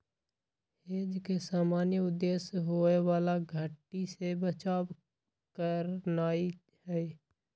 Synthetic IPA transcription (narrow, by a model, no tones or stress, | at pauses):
heːd͡ʒkesaːmaːnjəʊd̪ːeːsɦoːewaːlaɡʱəʈːisebət͡ʃaːb | kəɾnaːi | hɛ